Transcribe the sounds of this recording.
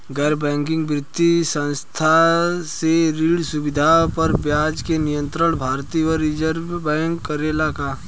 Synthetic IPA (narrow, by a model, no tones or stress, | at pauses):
ɡɛɾbɛ̃ːŋkɪ̃ŋɡbɾɪt̪ːisə̃nst̪ʰaseɾiːɽsʊbɪd̪ʱapɐɾbjaːd͡ʒkenɪjə̃nt̪ɾəɽ̃bʱaːɾt̪iwəɾɪd͡ʒəɾʋbɛ̃ːŋkːəɾelakaː